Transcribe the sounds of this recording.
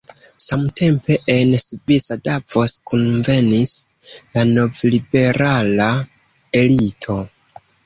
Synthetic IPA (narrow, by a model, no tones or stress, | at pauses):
samte̞mpe̞ʔensvisadavoskunve̞nislano̞vlibe̞ɾala | e̞litʰo̞